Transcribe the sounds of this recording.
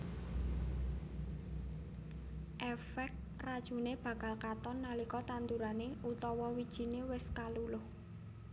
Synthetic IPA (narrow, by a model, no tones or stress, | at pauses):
ʔɛfɛk̚t̪ | rad̥ʒ̥ṳneb̥ä̤kalkat̪ɔnːalikɔt̪ant̪uɾaneut̪ɔwɔwid̥ʒ̥i̤newɪskalulʊh